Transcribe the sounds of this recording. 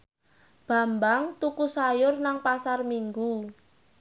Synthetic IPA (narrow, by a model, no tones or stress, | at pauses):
b̥a̤mbaŋt̪ukusajʊrnaŋpasarmiŋɡu